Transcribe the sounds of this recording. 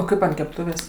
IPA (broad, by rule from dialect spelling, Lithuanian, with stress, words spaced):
oː ˈkɐɪp ɐnt kʲɛpˈtʊʋʲeːsʲ